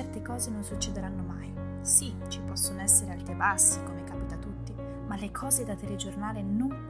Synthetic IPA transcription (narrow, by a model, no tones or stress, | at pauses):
ɛrt̪ekɔːzenonsut͡ʃːɛd̪eɾanːomaj | si | t͡ʃipɔsːonoɛsːeɾealt̪ɾebasːikomekaːpit̪at̪ut̪ːi | malekʰɔːzed̪at̪ɛled͡ʒornaːlenoŋ